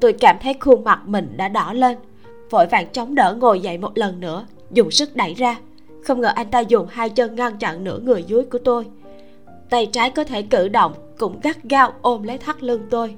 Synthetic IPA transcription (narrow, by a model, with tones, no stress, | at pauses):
t̪o˧jkaː˧˩mt̪ʰə˨˦jxu˧ŋma˨˩k̚mï˨˩ŋ̟ɗa̰ː˧˥ɗɔ˧˩le˧n | vo̰˧˥jva̰ː˧˨nt͡ɕɔ˨˦wŋ͡mɗəː˧˩ŋo˨˩jza̰˧˨jmo˨˩t̚lə˨˩nːɨ̰˧˥ə | zʊ˨˩ŋ͡msɨ˦˥k̚ɗa˧˩jzaː˧ | xə˧wŋ͡mŋəː˨˩ʔa˧jŋ̟t̪aː˧zʊ˨˩ŋ͡mhaː˧jt͡ɕə˧nŋa˧nt͡ɕɔ̰˧˨nnɨ̰˧˥əŋɨ˨˩əjzu˨˦əjku˧˩ət̪o˧j | t̪a˧˩jt͡ɕaː˨˦jkɔ˨˦t̪ʰe˧˩kɨ̰˧˩ɗə̰˧˨wŋ͡mkʊ̰˧˥ŋ͡mɣa˦˥t̚ɣaː˨˦˥wʔo˧mlə˨˦jt̪ʰa˦˥k̚lɨ˧əŋt̪o˧j